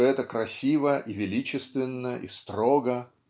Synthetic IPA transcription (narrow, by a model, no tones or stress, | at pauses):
ɛt̪əkɾɐsʲivəʔivʲɪlʲit͡ɕɪst̪vʲɪnːəʔḭst̪ɾo̞ɡə